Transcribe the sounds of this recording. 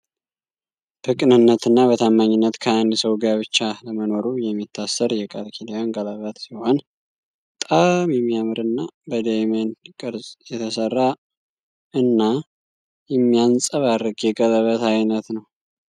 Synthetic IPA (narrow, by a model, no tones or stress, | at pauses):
bɨkʼnɨnːət̪ɨnːaβət̪ʰamːaɲːɪnːət̪kʰəand̪səwɡaβɨt͡ʃːaləməno̞ɾujɛmːit̪ʰːasːəɾjɛkʼəlkʰilijonɡələβət̪siho̞n | bət̪ʼamjɛmːijamɨɾɨnːabəd̪əmenkʼɨɾzjɛt̪ʰəsərːa | ɨnːa | jɛmːijansʼəβarːɨɡjɛɡʼələβət̪ajnət̪nəw